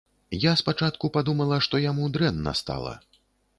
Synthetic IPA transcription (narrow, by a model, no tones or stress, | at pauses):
jaspat͡ʂat̪kupad̪umɐlˠɐʂt̪ɔjamud̪ɾɛnːɐ̰st̪a̰lˠɐ̰